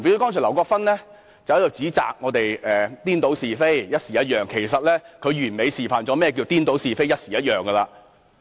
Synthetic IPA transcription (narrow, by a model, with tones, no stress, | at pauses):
me˨˥t̪o˥kɔː˥ŋʰː˨˩lɐ˨˩wkɔː˧kfɐ˥nlɛː˥ | t͡sɐ˨whɐ˨˥jo˨˩wt͡siː˨˥t͡sa̰ː˨k̚ŋɔː˨˧t̪e˨jɛː˨t̪iː˥nt̪o˨˥wsiː˨fe˥jjɐ˥t̚siː˨˩jɐ˦˥t̚jœː˨˩ŋkʰe˨˩jsɐ˨t̚lɛː˥kʰɵ˨˧ɥyː˨˩nme˨˧jsiː˨˩faː˨nt͡ʃɔː˨˧˥mɛː˥˩ɛ˧ki˧˨t̪iː˥nt̪o˨˥wsiː˨fe˥jɐ˥t̚siː˨˩jɐ˥t̚jœː˨ŋɡɐ˧laː˧